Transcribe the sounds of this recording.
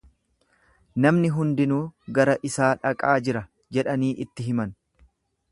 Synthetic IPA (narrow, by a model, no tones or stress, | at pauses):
nɐmnɪɦʊnd̪ɪnuːɡɐɾɐʔɪsaːᶑɐkʼaːd͡ʒɪɾɐ | d͡ʒɛᶑɐniːʔɪt̪ːɪɦɪmɐn